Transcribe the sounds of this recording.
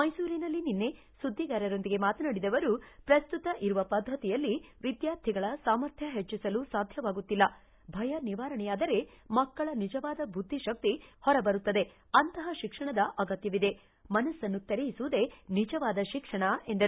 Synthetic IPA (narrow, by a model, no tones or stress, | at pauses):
mɐjsuːɾinɐlːininːe̞ | sud̪ʱːiɡaːɾɐɾo̞nd̪iɡe̞maːt̪ɐnaːɽid̪ɐʋɐɾupɾɐst̪ut̪ɐʔiɾuʋɐpɐd̪ʱːɐt̪ijɐlːiʋid̪jaːɾt̪ʰiɡɐɭɐsaːmɐɾt̪ʰjɐɦet͡ʃːisɐlusaːd̪ʱjɐʋaːɡut̪ːilːɐ | bʱɐjɐniʋaːɾɐɳɛjaːd̪ɐɾe̞ | mɐkːɐɭɐnid͡ʒɐʋaːd̪ɐbʱud̪ʱːiʃɐk̚t̪ihɔɾɐbɐɾut̪ːɐd̪e̞ | ɐnt̪ɐɦɐʃikʂɐɳɐd̪ɐʔɐɡɐt̪jɐʋid̪e̞ | mɐnɐsɐnːut̪eɾɛjisuʋud̪e̞nid͡ʒɐʋaːd̪ɐʃikʂɐɳɐe̞nd̪ɐɾ